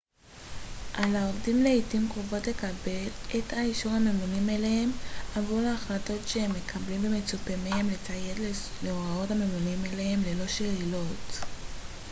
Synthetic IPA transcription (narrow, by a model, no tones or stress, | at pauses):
ʔalao̞vdimleitimkʁovo̞tle̞kabe̞letʰaiʃuʁame̞munimelehe̞mavuleaχlato̞tʃehemːe̞kʰablimbeme̞t͡supemehemlet͡sajetlleoʁao̞tame̞munimelehe̞mlelo̞ʃeilo̞t